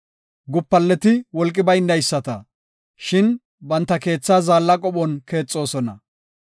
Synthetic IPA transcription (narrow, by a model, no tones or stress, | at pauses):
ɡʊpːɐlːɛt̪ɪwɔlkʼːɪbɐjnːɐjsːɐt̪ɐ | ʃɪn | bɐnt̪ːɐke̞ːt͡sːaːzaːlːɐkʼɔɓɔnke̞ːt͡sʼːo̞ːsɔnɐ